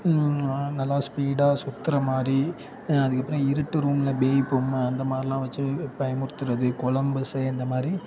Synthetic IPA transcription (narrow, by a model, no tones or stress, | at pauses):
nɐlːaːspiːɽaːsʊt̪ːɪɾɐmaːd̪ɾi | ɐðɯkːɐpːɯɾɐ̃ɪɾɯʈːɯɾuːmlɐbeːpːɯmɐnd̪ɐmaːðɾɪlãːʋɐt͡ʃːɯpɐjɐmʊɾɯt̪ːɯɾɐðɯkɔɭɐmbɐsɐɛnd̪ɐmaːd̪ɾi